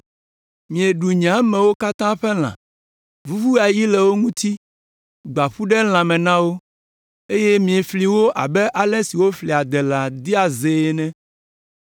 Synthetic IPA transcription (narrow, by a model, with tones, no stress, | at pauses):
mĩ˨e˨ɖu˨ɲ˨ã˦mɛ̃˨wo˦ka˦t̪ã˦ɸɛ˦l̃ã̰˨ | vu˦vu˦a˨ji˦lɛ˨wo˦ŋũ˦t̪i˦ | ɡ͡ba˨ɸu˦ɖɛ˦l̃ã˨mɛ̃˨nã˦wo˦ | e˦jɛ˦mĩ˨ɛ˨fli˨wo˦ʔa˨bɛ˦ʔa˨lɛ˦si˨wo˦fli˨a˨d̪ɛ˨la˨d̪i˦a˨ze˨ɛ˨nɛ̃˦